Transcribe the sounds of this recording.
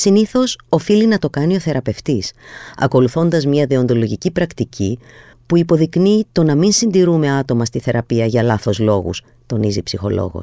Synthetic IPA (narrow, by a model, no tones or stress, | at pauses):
siniθo̞so̞filinɐt̪o̞kɐnio̞θe̞ɾɐpe̞ft̪isɐ̰ko̞luθo̞nd̪ɐzmɲɐðeo̞nd̪o̞lo̞ʝicipɾɐkt̪ici | puipo̞ðiknit̪o̞nɐminsind̪iɾume̞ɐt̪o̞mɐst̪iθe̞ɾɐpiɐʝɐlɐθo̞zlo̞ɣṵs | t̪o̞nizipsixo̞̰lo̞̰ɣo̰s